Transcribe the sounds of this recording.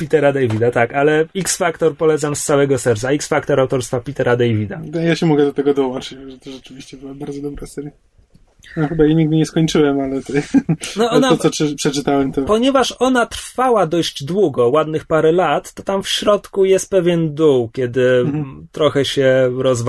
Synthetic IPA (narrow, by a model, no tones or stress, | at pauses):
pʲit̪ɛɾad̪ɛjvʲid̪at̪akalɛiksfakt̪ɔɾpɔlɛt̪samst̪sawɛɡɔsɛɾt̪saiksfakt̪ɔɾawt̪ɔɾst̪fapʲit̪ɛɾad̪ɛjvʲid̪aajaɕɛmɔɡɛd̪ɔt̪ɛɡɔd̪ɔwɔnt͡ʂɨt͡ɕʐɛt̪ɔʐɛt͡ʂɘvʲiɕt͡ɕɛbɨwabaɾd̪zɔd̪ɔbɾasɛɾja | nɔxɘbajaɲiɡ̚d̪ɘɲɛskɔɲt͡ʂɘwɛmalɛt̪ɛnɔɔnaɔsɔʂɛpʂɛt͡ʂɘt̪awɛmt̪ɔpɔɲɛvaʂɔnat̪ɾfawad̪ɔʑd͡ʑd̪wuɡɔwad̪nɘxpaɾɛlat̪ːɔt̪amfɕɾɔt̪kujɛst̪̚pɛvʲjɛnd̪uwkʲɛd̪ɘt̪ɾɔxɛɕɛɾɔzv